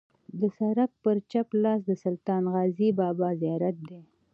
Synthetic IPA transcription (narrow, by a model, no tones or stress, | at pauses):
d̪əsaɾak̚pəɾt͡ʃaplɑːs̬d̪əsʊlt̪ɑːnɣɑːzibɑːbɑzijɑɾat̪̚d̪e